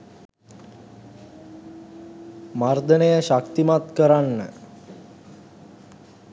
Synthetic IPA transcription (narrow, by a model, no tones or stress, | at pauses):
mard̪ənejəʃakt̪imat̪kəɾanːə